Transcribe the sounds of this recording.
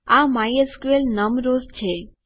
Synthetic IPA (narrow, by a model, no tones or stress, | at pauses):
amajeskuelnəmɾozt͡ʃʰe